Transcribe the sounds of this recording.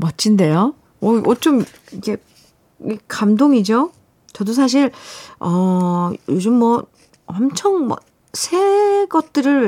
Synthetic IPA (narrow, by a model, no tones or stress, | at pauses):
mʌt͡ɕʰinde̞jo | ʌʔʌt͡ɕ͈om | ikʰe̞ | ikamdoŋid͡ʑo | t͡ɕʌdos̬ʰaɕ̬ʰiɭʌjod͡ʑɯmːʌ | wʌmt͡ɕʰʌŋmʌ̰ | sʰeɡʌt̚t͈ɯɾɯɭ